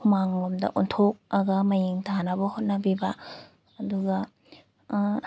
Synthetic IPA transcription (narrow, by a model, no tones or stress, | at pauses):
humaŋlomdɐ̰ʔuntʰok̚ɐɡɐmajiŋtʰanabɐhot̚nɐbibaː | duɡɐ